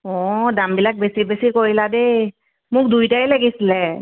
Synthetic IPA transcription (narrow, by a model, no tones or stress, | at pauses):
ɔdambilak̚besibesikoɹilad̪e | mʊk̚d̪ujtajlaɡisilɛ